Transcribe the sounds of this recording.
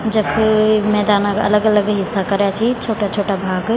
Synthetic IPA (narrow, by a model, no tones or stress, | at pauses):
d͡ʒɐkʰmɛːd̪aːnakɐ̰ləɡɐləɡɦɪsːakɐɾjat͡ʃʰit͡ʃʰoːʈat͡ʃʰoːʈabʱaːɡ